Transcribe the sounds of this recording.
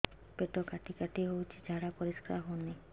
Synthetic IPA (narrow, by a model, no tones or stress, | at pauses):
peʈokaʈikaʈiɦowt͡ɕʰed͡ʑʱaɾapoɾiʃkɾa̰ɦoni